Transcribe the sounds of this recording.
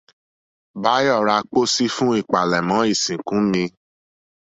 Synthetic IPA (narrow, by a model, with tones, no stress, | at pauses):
ba˨˦jɔ˦˨ɾa˧k͡po˦si˦fũ˦i˦˨k͡pa˨lɛ˨mã˨˦i˦˨sĩ˨kũ˨˦mĩ˧